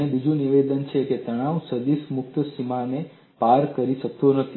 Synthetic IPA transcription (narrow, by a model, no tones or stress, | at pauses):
ebid͡ʒũniʋed̪ənt͡ʃʰeket̪əɽ̃aʋsəd̪ismʊk̚t̪simane | paɾkəɾiʃək̚t̪onət̪ʰi